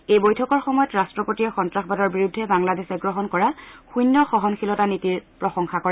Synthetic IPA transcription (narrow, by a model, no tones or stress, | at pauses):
ejbojtʰɔkɔɹxɔmɔjɔtɹastɹɔpotijɔxɔntɹaxbadɔɹbiɹudʱːɛbaŋladesɛɡɹɔɦɔnkɔɹaxujnːɔxɔɦɔnxʰilɔtanitiɹpɹɔxɔŋxakɔɹɛ